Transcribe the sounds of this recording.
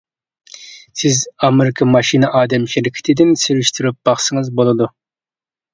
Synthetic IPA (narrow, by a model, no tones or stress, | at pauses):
sɪzɑmeɾɪkʰɑmɑʃinɨʔɑːd̪ɛmʃɪɾɪkʲʰɪ̥t̪ʰɪd̪ɪnsyɾyʃt̪ʰyɾyp̚b̥ɑχsɨŋɨzbolˠɨd̪u